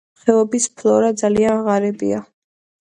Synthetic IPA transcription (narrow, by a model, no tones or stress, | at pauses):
χɛɔbispʰlˠɔɾad̪zalianʁaɾɛbḭa